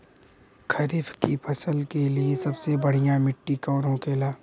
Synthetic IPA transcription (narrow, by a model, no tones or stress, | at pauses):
kʰɐɾɪfʰkipʰɐsəlkeliesɐbsebɐɽ̤ijãmɪʈːikɔːɾõkeːlaː